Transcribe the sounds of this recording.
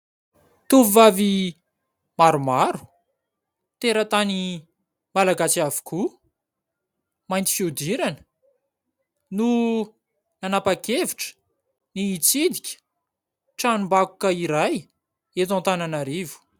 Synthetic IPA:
t̪uvivavi | maɾumaɾu̥ | t̪eɾət̪ani | malaɡat͡siavu̥kʰu | majnt̪i̥fiud̪iɾanə | nu | nanapakeviʈ͡ʂə̥ | niːt͡sid̪ikʲə̥ | ʈ͡ʂanumbakukəiɾaj | et̪ãnt̪ananaɾivu̥

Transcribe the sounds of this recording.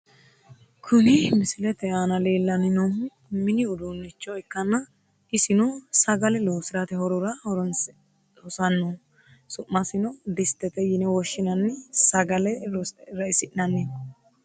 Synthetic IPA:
kʰʊnɪmɪsɪlɛt̪ɛanɐle̞ːlːɐnɪno | mɪnɪʊd̪unːɪt͡ʃːɔɛkːɐnːɐ | ɪsɪnɔsɐɡɐlɛloːsɪɾɐt̪ɛhɔɾɔɾɐhɔɾɔn | hɔsɐnːɔ | sʊʔːɐsɪnɔd̪ɪst̪ɛt̪ɛjɪnɛwɔʃːɪnɐnːɛsɐɡɐlɛɾɔɾɐɪsɪʔnɐnːɛ

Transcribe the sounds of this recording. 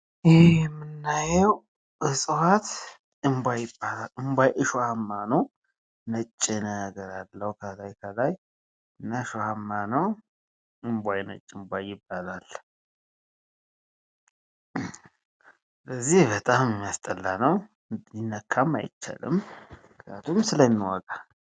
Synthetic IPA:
jɛjɛmːɨnːajɛw | ʔɨsʼɨhat̪ | ɨmbʷajɪbːalalɨmbʷajʔɨʃohamːanəw | nət͡ʃʼːɪnəɡəɾalːəhkʰəlajkʰəlaj | ɨnːaʃohamːanəw | ʔɨmbʷajnə̰t͡ʃʼːɪmbʷajɪbːalal | ləzːihbət̪ʼammjast̪ʼəlːanəw | inːəkʰːamːa̰jɪt͡ʃːa̰lɨ̰mɨkjat̪ʰumsɨləmwa̰ɡʼa

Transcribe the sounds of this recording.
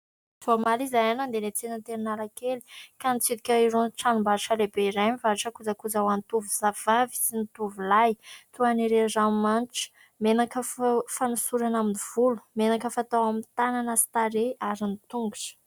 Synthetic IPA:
zomalizajanand̪elet͡senənt̪eɾinalakeli̥kanit͡sid̪ikʲəiɾonʈ͡ʂanumbaɾʈ͡ʂəlebeiɾajmivaɾiʈ͡ʂəkud͡zakud͡zawant̪uvuzav̥avi̥sint̪uvilajt̪uaniɾezamanʈ͡ʂə̥ | menakəffanusuɾanaminiv̥ulu̥menakəfat̪awamint̪ananəsi̥t̪aɾeaɾinit̪uŋɡuʈ͡ʂə̥

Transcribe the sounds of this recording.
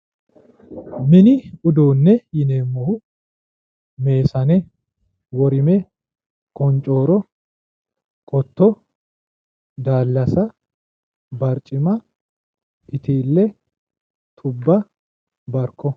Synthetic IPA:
mɪnɪʊd̪oːnːɛjɪneːmːɔhʊ | me̞ːsɐnɛ | wɔɾɪmɛ | kʼɔnt͡ʃʼo̞ːɾɔ | kʼɔt̪ːɔ | d̪aːlːɐsɐ | bɐɾt͡ʃʼɪmɐ | ɪt̪iːlːɛ | t̪ʰʊbːɐ | bɐɾkːɔ

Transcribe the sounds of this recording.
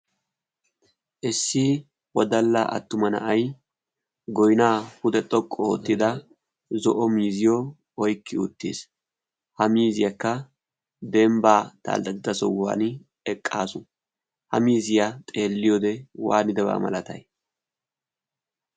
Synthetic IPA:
ʔɪsːɪ | wɔd̪ɐlːa̰ʔɐ̰t̪ːʊmɐnɐ̰ʔɐj | ɡɔjnaːhʊd̪ɛt̪ʼɔkʼːɔo̰t̪ːɪd̪ɐ | zɔʔɔmiːzɪjɔ | ɔjkːɪʊt̪ːḛːs | hɐmiːzɪjɐkːɐ | d̪ɛmbaːt̪a̰ːld̪ɐt̪ɪd̪ɐsɔwa̰ːn | ɛkʼːaːsʊ | hɐ̰miːzɪjɐt̪ʼe̞ːlːɪjod̪ɛwa̰ːnɪd̪ɛba̰ːmɐ̰lɐt̪ɐ̰j

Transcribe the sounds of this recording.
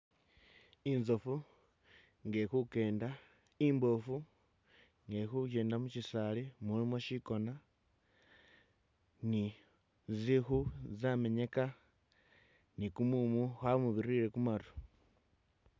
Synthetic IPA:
inzofu | ŋɡe̞xuke̞ːnda | imbo̞fu | ŋɡexukeːndamut͡ʃisalemulimoʃiko̞na | ni | zixuzame̞ɲe̞ka | nikumumuxamuβiɾiɾe̞kumaɾu̥

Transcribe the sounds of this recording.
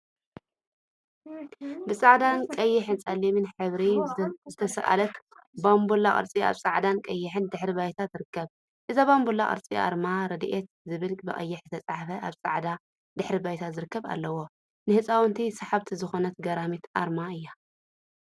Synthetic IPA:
bɨsʼaʕd̪ankʼɐjːɪħɨnt͡sʼɐlimɨnħɨβɾizɨt̪ʰɐsɐ̰ʔa̰lɐt̪ | bambulaʔʼɐ̰ɾt͡sʼia̰βsʼaʕd̪ankʼɐjːɪħɨnd̪ɨħɾibajt̪ʰat̪zɨɾɨkːɐβ | ʔɨzaβambulːaʔʼɐ̰ɾt͡sʼiʔa̰ɾmaɾɐd̪ʔet̪zɨβɨlɡʼbɨʔʼɐ̰jːɪħzɨt̪ʰɐt͡sʼaʕfɐʔaβt͡sʼa̰ʕd̪a | d̪ɨħɾibajt̪ʰazɨɾɨkːɐβa̰lːɐwo | nɨhɨt͡sʼawnt̪ʰisɐħaβt̪ʰizɨxo̞nɐt̪ɡɐɾamit̪ʰʔa̰ɾmaɨjːa

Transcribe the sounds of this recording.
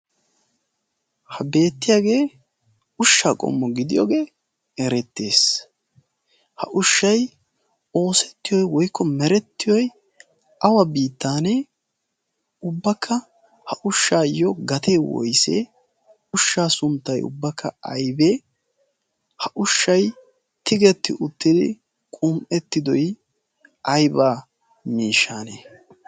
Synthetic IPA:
hɐbe̞ːt̪ːɪjaːɡe̞ː | ʊʃːaːkʼɔ̰mːɔɡɪd̪ɪjo̰ːɡe̞ː | ɛɾɛt̪ːe̞ːs | hɐʔʊʃːɐj | o̞ːsɛ̥t̪ːɪjɔjwɔjkːɔmɛɾɛt̪ːɪjɔj | ɐwɐbiːt̪ːaːnɛ | ʊbːɐkʰːɐ | hɐʔʊʃːaːjɔɡɐt̪eːwɔ̰jsḛ | ʊʃːaːsʊnt̪ːɐjʊ̰bːɐkʰːɐ̰ɐ̰jbeː | hɐʔʊʃːɐj | t̪ɪɡɛt̪ːɪʔʊt̪ːɪd̪ɪ̰ | kʼʊmʔɛt̪ːɪd̪ɔj | ɐjbaː | miːʃːaːne

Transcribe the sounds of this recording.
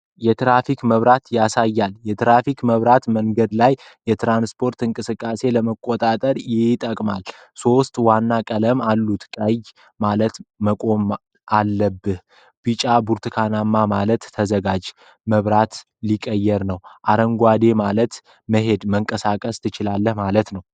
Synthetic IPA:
jɛt̪ɾafikməβɾat̪jasajːaljɛt̪ɾafikməβɾat̪məŋɡəd̪lajjɛt̪ɾanspʰo̞ɾt̪ɨŋkʼɨsɨkʼːase̞ləməkʼo̞t̪ʼat̪ʼəɾjɪt̪ʼəkʼmal | so̞st̪ʼwanːakʼələmalːut̪kʼəj | malət̪məkʼo̞m | ʔalːəbːɨh | b̥ɨt͡ʃʼabuɾt̪ʰɨkʰanamːamalət̪ːʰəzəɡad͡ʒ | məβɾat̪ | likʼːəjːɛɾnəwʔaɾəŋɡʷad̪e̞malət̪ | məɦe̞d̪məŋkʼəsakʼəst̪ʰɨt͡ʃɪlalːəhmalət̪nəw

